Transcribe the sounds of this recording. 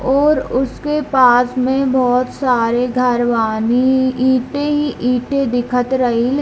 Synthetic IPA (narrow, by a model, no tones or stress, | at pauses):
ɔːɾʊskepaːsmẽbɔːt̪saːɾeɡʱɐɾʋaːniiːʈeɦiʔiːʈẽd̪ɪkʰət̪ɾɐɦil